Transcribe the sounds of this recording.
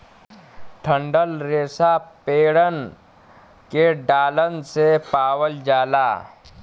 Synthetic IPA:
ʈʰə̃ɳɖəlɾeːsapeːɽən | keɖaːlənsepaːwəld͡ʒaːla̰ː

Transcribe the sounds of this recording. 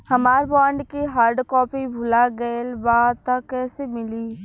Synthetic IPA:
hɐmaːɾbãːɳɖkiɦaːɾɖkɔːpibʱʊlaɡəlbaːt̪akɛːsemɪliː

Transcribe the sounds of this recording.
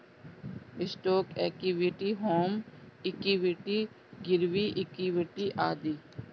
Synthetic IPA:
ɪsʈoːkɛːk̚iʋiʈiɦoːmɪkiʋɪʈi | ɡɪɾʋiʔɪkiʋɪʈiʔaːd̪iː

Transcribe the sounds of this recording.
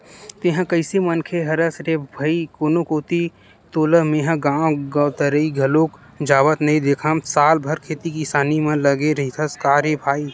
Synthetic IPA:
t̪eɦə̃kəɪsemɐnkʰeɦɐɾəsɾebʱɐikoːnokoːt̪i | t̪oːləmẽɦə̃ɡãːwɡət̪əɾəiɡʱɐloːk | d͡ʒaːʋət̪nɐĩd̪eːkʰãmsaːlbʱəɾkʰeːt̪ikisaːnimə̃ləɡeɾɐit̪ʰəskaːɾebʱaːi

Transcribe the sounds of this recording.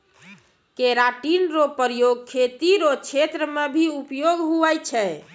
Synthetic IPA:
keɾaʈinɾopəɾjoɡkʰet̪iɾot͡ʃʰet̪ɾəmebʱiupjoɡɦuɛjt͡ʃʰɛ

